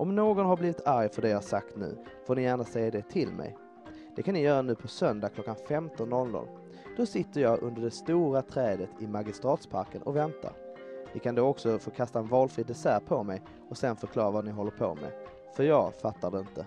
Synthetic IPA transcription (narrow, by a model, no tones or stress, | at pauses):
ʔɔmnoːɡɔnhaɾbliːvɪt̪ʰaɾjfœɖɛjɑːhasa̰kt̪nʉ̟̰ː | foːnɪjæːɳnasɛjːad̪ɛt̪ʰɪlmɛ̰j | d̪̥ɛkʰanːɪjœːɾanʉ̟ːpʰɔsœnd̪akʰlɔkːanfɛmt̪ɔnːɔlnd̪ɔ̰ːn | d̪̥ɔsɪt̪ːəɾjɑːɡʔɵ̰nd̪əɖɛst̪uːɾat̪ʰɾɛːd̪ət̪ʰɪmaɡɪst̪ɾɑːt̪spʰaɾkənʔɔ̰vɛnt̪ʰa̰nɪkʰand̪oːɔksɔfoːkʰast̪aɛnvɑːlfɾɪd̪ɛsæːɾpʰɔmɛj | ɔsɛnfœɾkʰlɑːɾavanɪɦɔlːəɾpʰo̰mɛ̰ | fœɾjɑːɡfat̪ːaɖɛɪnt̪ə